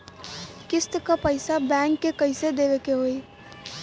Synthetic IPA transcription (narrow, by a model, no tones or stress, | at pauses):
kɪst̪kapəɪsabɛŋkːekəɪsed̪eʋekeɦoi